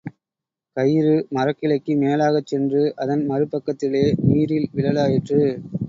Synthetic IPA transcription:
kɐjɾɯmɐrɐkːɪlɐɪkːɯmeːlaːɣɐt͡ʃːɛndrɯʔɐðɐnmɐɾɯpːɐkːɐt̪ːɪleːniːɾɪlʋɪlɐlaːjɪʈrɯ

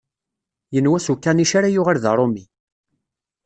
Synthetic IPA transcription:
jənwæsukːæniʃaɾajʊʁaɾðə̰ɾˤomi

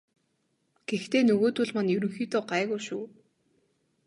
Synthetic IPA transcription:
ɡ̥ext̪eːnɵɣoːt̪ʊɮmanjɵɾɵ̆ŋxiːt̪oːɢæːɣujʃṵː

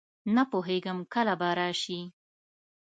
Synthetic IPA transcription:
napoɦeɡəmkəlabaɾɑʃi

